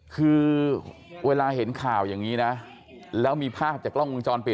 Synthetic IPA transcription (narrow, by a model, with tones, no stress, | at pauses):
kʰɯː˧ | weː˧laː˧ɦe˩˦nkʰaː˨˩wjaː˨˩ŋːiː˦˥na˦˥ | lɛː˦˥wmiː˧pʰaː˥˩p̚t͡ɕaː˨˩klɔ˥˩ŋwu˧ŋt͡ɕɔː˧npi˨˩